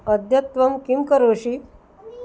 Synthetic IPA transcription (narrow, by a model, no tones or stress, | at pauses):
əd̪ʱjɐt̪ʋəmkimkəɾoːɕi